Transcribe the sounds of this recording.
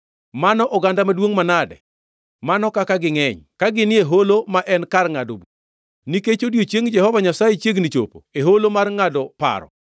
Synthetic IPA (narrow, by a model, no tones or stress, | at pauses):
manɔʔɔɡandamadwoŋmanadɛ̰ | manɔkakaɡɪŋɛɲkaɡɪnɪeɦolomaʔɛnkarŋado̰bu | niket͡ʃodjot͡ʃjeŋd͡ʒɛhɔvaɲasajet͡ʃjeɡnit͡ʃo̰po̰eɦolomarŋadɔpa̰ɾɔ̰